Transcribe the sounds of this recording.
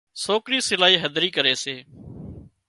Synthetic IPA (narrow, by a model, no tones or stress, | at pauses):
soːkɾiːsɪlaːiːɦəd̪ʱɾiːkəɾeːseː